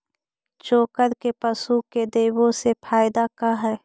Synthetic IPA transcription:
t͡ʃoːkəɾkepəsuked̪eːwõsepʰaːɪd̪akaɦɛː

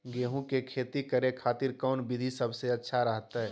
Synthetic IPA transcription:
ɡeːɦũkekʰeːt̪ikəɾekʰaːt̪ɪɾkɔːnbɪd̪ʱisəbseɐtːʃʰaɾəɦt̪aɦɛː

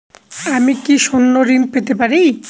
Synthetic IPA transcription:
amikiʃonːoɾinpet̪epaɾij

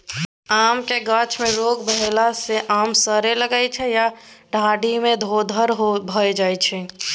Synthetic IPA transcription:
aːmkeɡãːt͡ʃmẽɾoːɡbəɦelaseʔaːmsəɾeləɡaːet͡ʃʰɛjaɖʱaːɖimẽd̪ʱoːd̪ʱəɾɦobʱəed͡ʒaːet͡ʃʰɛ

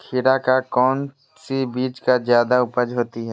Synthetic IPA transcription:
kʰɪɾakakɔːn | sibiːt͡ʃkazjaːd̪aʊpəd͡ʒɦoːt̪iɦɛː

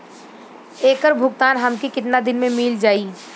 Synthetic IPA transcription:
eːkəɾbʱʊɡt̪aːnɦɐmkikɪt̪nad̪ɪnmẽmiːld͡ʒaːiː

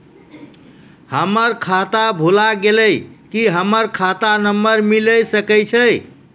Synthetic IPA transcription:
həməɾkʰat̪abʱulaɡeləjkiɦəməɾkʰat̪anəmːəɾmiləjsəkəjt͡ʃʰəj

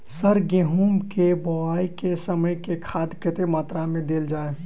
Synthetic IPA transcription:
səɾɡẽɦuːmkebɔaːikesəməjkekʰaːd̪kɪt̪emaːt̪ɾamẽd̪eːld͡ʒaːeː

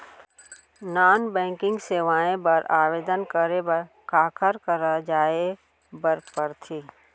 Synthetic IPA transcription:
naːnbɛ̃ːŋkɪ̃ŋɡseːʋaːẽbəɾaːʋeːd̪ənkəɾebə | kaːkʰəɾkəɾad͡ʒaːe | bəɾkpəɾt̪ʰiː

